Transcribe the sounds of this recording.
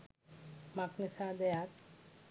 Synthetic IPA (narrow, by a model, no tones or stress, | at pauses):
maknesad̪ɛjat̪